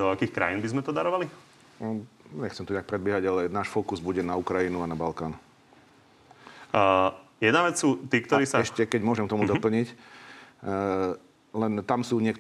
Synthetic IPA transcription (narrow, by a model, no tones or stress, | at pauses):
ɔakiːxkɾa̰jiːnbizmɛt̪ɔd̪aɾɔʋali | ɲɛxt͡sɛmt̪ɔɲɛak̚pɾɛd̪̚bɪɛɦaɟalɛnaːʃfɔkuzbuɟɛnaukɾajinuanabalkaːn | jɛd̪naʋɛt͡ssuːt̪iːkt̪ɔɾiːsaɛʃcɛkɛɟmʊɔʒɛmt̪ɔmud̪ɔpl̩ɲic | lɛnt̪amsuːɲɪɛkt̪